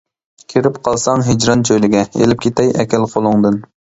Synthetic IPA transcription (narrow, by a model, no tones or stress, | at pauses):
kʲʰeɾɪpqʰɑlˠsɑŋɦed͡ʒɾɑnt͡ʃʰøjlɪɡʲɛḛlɪp̚kʲʰet̪ɛjɛkʲɛlqʰolˠʊŋd̪ɨn